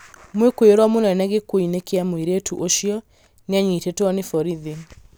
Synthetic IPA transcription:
mwekwoɾwɔmonɛnɛɣekoinekeamoiɾetuʔoʃijɔ | neaɲitetwɔnefɔɾiði

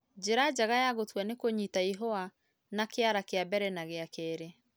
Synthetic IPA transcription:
d͡ʒeɾad͡ʒaɣajaɣotwɛnekoɲitaiɦɔa | nakeaɾakeabɛɾɛnaɣeakɛːɾe

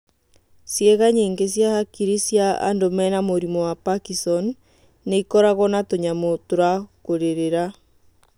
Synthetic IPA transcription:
sjɛɣaɲeŋɡesjahakiɾisjaa̰ndomɛnamoɾimɔwapakisɔnː | eikɔɾaɣɔnatoɲamotoɾakoɾeɾeɾa

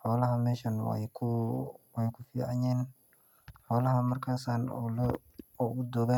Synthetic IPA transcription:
ħɔːlɐɦɐmɛːʃɐnw̰kʰʊwɛjkʰʊfiːʕɑnɛːn | ħɔːlɐɦɐmɐrkʰaːsaːn̰l | ɔʊd̪ɔːɡa

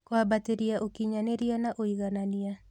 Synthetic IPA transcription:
kwabateɾiaʔokiɲaneɾianaʔoiɣanania

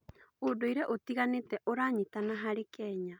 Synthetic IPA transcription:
odoiɾɛʔotiɣanetɛʔoɾaɲitanaɦaɾekɛːɲa

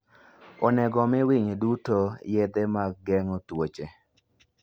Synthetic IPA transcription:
ɔnɛɡɔmɪwiɲdutojed̪emak̚ɡɛŋɔtwot͡ʃe

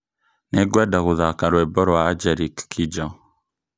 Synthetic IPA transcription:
nɛɡwadaɣuðakaɾwɛbɔɾɔaad͡ʒɛɾikːʰid͡ʒa

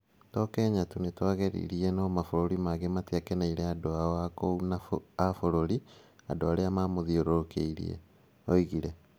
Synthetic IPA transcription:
tɔkɛːɲatunetwaɣɛɾḭɾiɛnɔmafoɾoɾimaɣematiakɛnaiɾɛadoaɔakounaafoɾoɾiadoaɾeamamoðioɾoɾokʰeiɾḭɛ̰ | oiɣiɾɛ

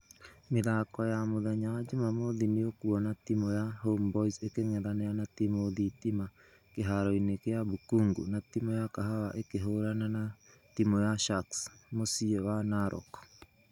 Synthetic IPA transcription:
meðakɔjamoðaɲad͡ʒumamoðiniokuɔnatimojaɦombɔisekeŋɛðanɛanatimoðitima | keɦaɾɔinekejabukuŋɡṵnatimojakaɦawaʔekeɦoɾanana | timojaʃaksmosiɛwanaɾʔɔ̰kɔ̥

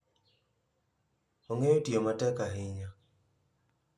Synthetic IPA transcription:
oŋejotiomatɛkaɦɪɲa

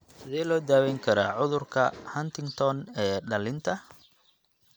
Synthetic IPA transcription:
sɪðɛːlɔːd̪aːwɛːŋkʰɐɾaːʕʊðʊrkʰɐhɐnt̪ʰɪŋt̪ʰɔnɛːɖɐlɪnt̪ʰɐ

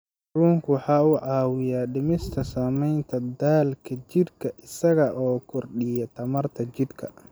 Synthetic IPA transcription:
ruːŋkʰʊwɑħɑːʊʕɑːwɪjaːɖɪmɪst̪ʰɐsaːmɛjnt̪ʰɐd̪aːlkʰɐt͡ʃɪd̪kʰɐʔɪsɐɣɐʔɔːkʰʊrɗɪjɐt̪ʰɐmɐrt̪ʰɐt͡ʃɪd̪kʰɐ̰

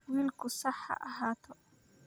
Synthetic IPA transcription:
wiːlkʰʊsɑħɑ̰ʔɐɦaːt̪ʰɔ

